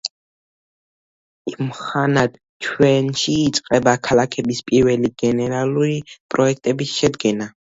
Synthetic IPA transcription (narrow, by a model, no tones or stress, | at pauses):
imχanad̪ | t͡ʃʰwɛnʃiːt̪sʼqʼɛbakʰalakʰɛbispʼiɾvɛliɡ̥ɛnɛɾalˠuɾipʼɾɔɛk̚ʰt̪ʼɛbisʃɛd̪ɡɛna